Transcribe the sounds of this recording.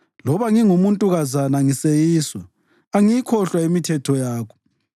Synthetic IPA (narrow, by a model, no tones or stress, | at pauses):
lɔβaŋiŋumuntʼuɣazanaŋisejiːswɔ | aŋijikʰɔɬwaemitʰɛtʰɔjaːkʰɔ̥